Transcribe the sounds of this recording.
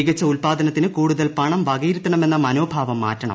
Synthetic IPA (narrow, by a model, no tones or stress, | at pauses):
ɡɐt͡ɕːɐulpaːd̪ʱɐnɐt̪ːinɨkuːɽuðɐlpɐɳɐmʋɐɣiːɾit̪ːɐɳɐme̞nːɐmɐno̞ːbʱaːʋɐmːa̰ːtːɐɳɐ̰m